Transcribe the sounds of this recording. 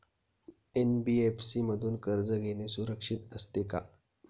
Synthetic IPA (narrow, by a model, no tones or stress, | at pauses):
enbiefsiməd̪ʱuːnkəɾd͡zəɡʱenesuɾəkʂiːt̪əst̪eka̰